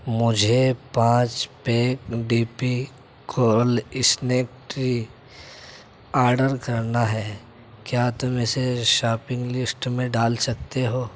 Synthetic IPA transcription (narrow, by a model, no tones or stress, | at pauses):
mʊd͡ʒʱepãːt͡ʃpeːkɖiːpi | kʰoːlɪsneːk̚ʈɾi | aːɾɖəɾkɐɾnaɦɛː | kjaːt̪ʊmẽseʃaːpɪ̃ŋɡlɪsʈmẽɖaːlsɐk̚t̪eɦoː